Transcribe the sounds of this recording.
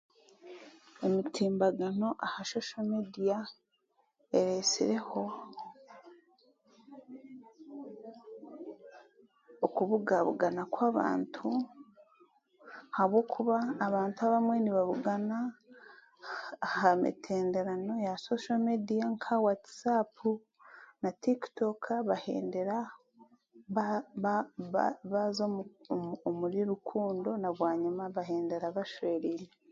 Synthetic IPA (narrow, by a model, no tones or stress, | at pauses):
e̞mitʰiːmbaɡano̞ʔahaʃo̞ʃomedija | eɾe̞sḭɾe̞ho̞ | okuβuɡaβṵɡanakwaːβa̰ːntʰu | haβwoːkʰuβaːβaːntuaβamwe̞niβaβuɡana | hamḭtʰe̞ːndeɾano̞jasoʃamediaŋkʰawatsapu | natiktokβahḛːnde̞ɾa | βaβ | βazomomuɾiɾukʰuːndo̞naβwaːɲimaβaɦeːnde̞ɾaβaʃwe̞ːɾiɾe